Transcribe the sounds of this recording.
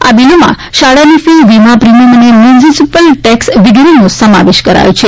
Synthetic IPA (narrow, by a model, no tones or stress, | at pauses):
a̰bilomã̰ | ʃaɽanifilʋimapɾiməmənemjunisisipəlʈɛksʋiɡɾinũsəma̰ʋeʃkəɾa̰jũt͡ʃʰe